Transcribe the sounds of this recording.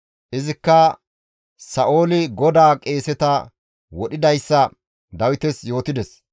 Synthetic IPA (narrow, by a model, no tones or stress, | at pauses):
ʔɪzɪkːɐ | sɐʔo̞ːlɪɡɔd̪aːkʼe̞ːsɛt̪ɐ | wɔɗɪd̪ɐjsːɐ | d̪ɐwɪt̪ɛsjo̞ːt̪ɪd̪ɛs